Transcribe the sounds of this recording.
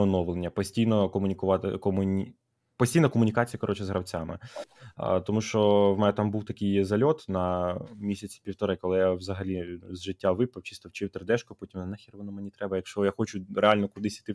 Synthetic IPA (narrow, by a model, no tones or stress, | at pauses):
ɔnɔʋlˠenʲːɐpɔsʲtʲijnɔkɔmʊnʲikʊʋɑt̪ɪ̰kɔmʊnʲ | pɔsʲtʲijnɐkɔmʊnʲikɑt͡sʲijɐkɔɾɔt͡ʃɛzɦɾʔɐwt͡sʲamɪ̰ | t̪ɔmuʃt͡ʃɔwmɛnɛt̪ɑmbuwt̪ɐkɪjzɐlʲɔt̪nɐmʲisʲɐt͡sʲi̥pʲiwt̪ɔɾɪkɔlˠɪjaʋzɐɦɐlʲizʒɪtʲːaʋɪpɐwt͡ʃi̥st̪ɔwt͡ʃɪwt̪ɾd̪ɛʃkʊpɔtʲimnɐnɛxʲiɾʋɔnɔmenʲit̪ɾɛbɐjɐkʃt͡ʃɔjaxɔt͡ʃʊɾealʲnɔkʊd̪ɪsʲit̪ɪ